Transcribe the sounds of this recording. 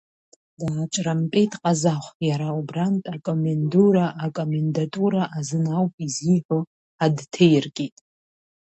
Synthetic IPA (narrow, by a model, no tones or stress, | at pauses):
daːt͡ʃʼrampʼetʰʼqʼazaχʷjaɾaubrantʼakʼomenduɾaʔːkʼomendatʼuɾaʔazɨnawpʼiziħʷo | adtʰejrkʲʼitʼ